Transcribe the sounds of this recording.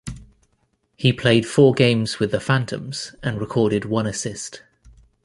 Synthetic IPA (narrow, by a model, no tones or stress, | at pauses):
hipʰl̥eɪd̥fɔːɡẽɪ̃mz̥wɪðəfãntʰə̰̃mz̥ə̃nɹɪkʰɔːɾɪdwʌ̃nəsɪst